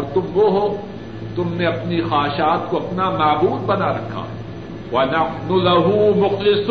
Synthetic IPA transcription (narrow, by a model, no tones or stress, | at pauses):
ɔːɾt̪ʊmʋoɦo | t̪ʊmneɐpnixaːɦʃaːt̪̚koɐpnamaːbuːd̪̚bɐnaɾɐkʰːa̰ː | ʋɐnɐnʊlɐɦumʊxlɪs